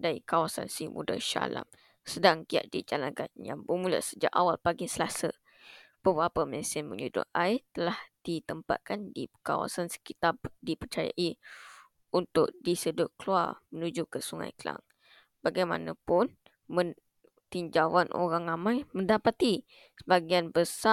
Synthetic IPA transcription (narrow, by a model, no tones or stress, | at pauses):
daɾikawasa̰nsimṵda̰ʃa̰la̰m | sədaŋk̪ia̰ʔ̚dḭd͡ʒalaɡanja̰ŋbəmulə̰ʔsəd͡ʒaʔawalpaɡisəlasə | b̥əbɾapəməsɪmə̰̃ɲudʊ̰ʔat̪əlahd̥it̪əmpa̰t̪̚kandika̰wa̰sansə̥kit̪adipərt͡ʃaja̰ʔi | unt̪ʊk̚disədʊʔ̚kəlua̰rmənud͡ʒukəsuŋã̰jkəla̰ŋ | b̥aɡajma̰nãpʊn | mən | t̪iɲd͡ʒawanʔo̰ɾaŋramãjməndapat̪i | səbaɡianbəsa